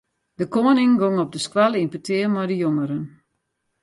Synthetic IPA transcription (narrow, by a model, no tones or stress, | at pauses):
d̥əkoːnɪŋɡoŋɔp̚dəskwalˠinpətʰɪərmajdəjoməɾən